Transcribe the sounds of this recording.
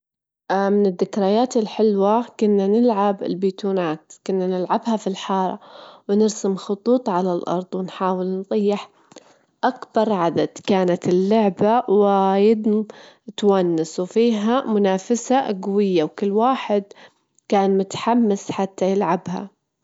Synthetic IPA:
mɪnɪðːɪkɾajaːt̪ɪlħɪlwakʊnːanɪlʕabɪ̰lbiːt̪uːnaːt̪kʊnːanɪlʕabhafilħɑːɾˤɑ̰wnɪɾsɪmxʊt̪ˤuːt̪ˤʕalalʔɑ̰ɾˤd̪ˤwɪnħaːwɪlnðˤijːɪħ | ʔakbɑɾˤʕad̪ad̪kaːnat̪ɪlːʊʕbawɪjɪd̪t̪wanːɪswfiːɦamʊnaːfasaʔɡwɪjːawkɪlːwaːħɪd̪ | kaːnmʊt̪ħamːasħat̪ʰːajɪlʕabha̰

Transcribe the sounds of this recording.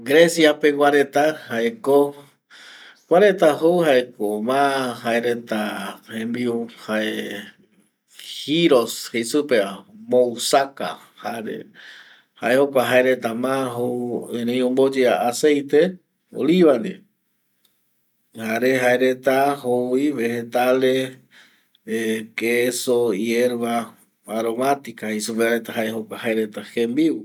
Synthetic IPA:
ɡɾesjape̞wʷaɾe̞t̪ahaeko | wʷaɾe̞t̪aɦowhaekomãhaeɾet̪ahẽmbiuhae | hiɾo̞shesupemousaka̰ | haɾḛ | ha̰ehokʷaɦaeɾe̞t̪amãɦouẽɾẽj̃õmbod͡ʒeaasejt̪e | o̰liβand̪i | haɾeɦaeɾet̪ahoiβehet̪ale | keesoieɾβaː | ɾo̞mat̪ikahesupeaɾet̪aɦaehokʷahaeɾet̪ahembiw

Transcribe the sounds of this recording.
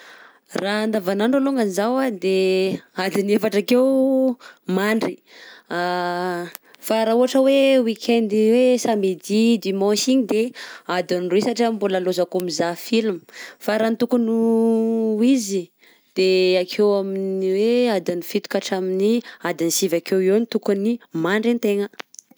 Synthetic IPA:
raand̪avanaɳɖ͡ʐaluŋɡanizawad̪ead̪inefaʈ͡ʂakew | maɳɖ͡ʐi | faɾauɦaʈ͡ʂəwewikʲʰend̪iwesamed̪id̪imɔ̃ʃiɲid̪ead̪inruisaʈ͡ʂəmbuləlozakomizafilmufaɾanit̪ukunu | izi | d̪̥eakʰewaminiwead̪inifit̪u̥kaʈ͡ʂaminiad̪inisivakewenit̪ukunimaɳɖ͡ʐint̪eŋə

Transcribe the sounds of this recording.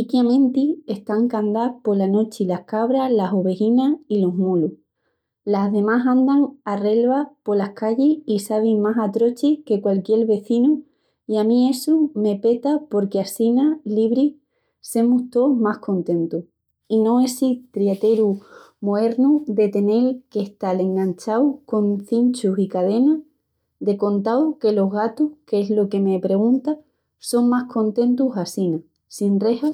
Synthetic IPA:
ikjamẽnt̪ie̞st̪aŋkand̪apo̞lano̞t͡ʃilahkaβɾalaso̞βe̞ɣinailo̞ɦmulu | laɦðe̞maɦãnd̪aŋare̞lβapo̞lahkaʎeisaβ̞imasat̪ɾo̞t͡ʃihke̞kwalkje̞ɾβe̞θinu | iamĩe̞sume̞pe̞t̪apo̞ɾkeasinaliβ̞ɾi | se̞muht̪o̞mahko̞nt̪ẽ̞nt̪uh | inõ̞e̞sit̪ɾiet̪e̞ɾu | moe̞ɾnuðe̞t̪e̞ne̞lkeht̪ale̞ŋɡant͡ʃawko̞nθint͡ʃusikað̞e̞na | d̪e̞ko̞nt̪awke̞lo̞ɦɣat̪uhkeezlo̞ke̞me̞pɾe̞ɣ̞unt̪a | so̞ŋmahko̞nt̪e̞nt̪usasina | sinre̞ha

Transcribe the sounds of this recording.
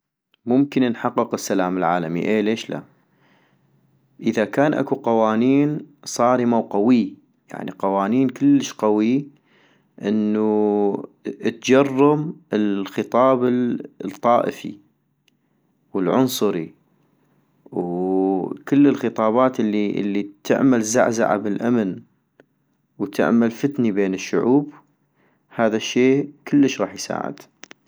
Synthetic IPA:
mʊmkɪnnħɑqːɨqɪsːalaːmɪlʕa̰ːlamḭʔeːleːʃla̰ | ʔəðakaːnʔa̰kuqɑwaːniːnsˤɑːɾimawqawi | ja̰ʕniqɑwaːniːnkəlːəʃqawi | ʔɪnːu | t̪d͡ʒɑrˤːɑmɪlxɨt̪ˤɑːbɪt̪ˤːɑːʔəfḭ | wəlʕʊnsˤʊɾi | w | kɪlːəlxɨt̪ˤɑːbɑːt̪ʔɪlːiʔɪ̰lːit̪ʰɪ̰ʕmalza̰ʕza̰ʕa̰bɪlʔamn | wt̪ʰɪ̰ʕmalfɪt̪nibeːnɪʃːʊʕuːb | haːðaʃːeːkəlːəʃɾɑːħjsa̰ːʕɪ̰d̪̥

